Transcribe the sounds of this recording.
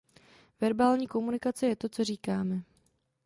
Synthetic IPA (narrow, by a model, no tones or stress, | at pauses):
vɛɾbaːlɲiːko̞munɪkat͡sɛjɛt̪o̞t͡so̞riːkaːmɛ